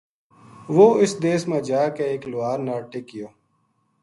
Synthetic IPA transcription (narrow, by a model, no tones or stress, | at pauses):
ʋoːɪsd̪eːsmẽd͡ʒaːkeeːklʊaːɾnaːɾʈeːkɪjoː